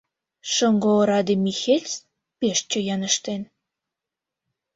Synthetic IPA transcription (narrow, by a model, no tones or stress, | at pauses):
ʃəŋɡoɾɑd̪emixelʲt͡s | peʃt͡ɕə̆jɑnə̆ʃt̪en